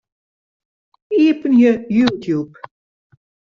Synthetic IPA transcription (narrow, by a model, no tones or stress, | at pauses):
iːpənjəjutʰjup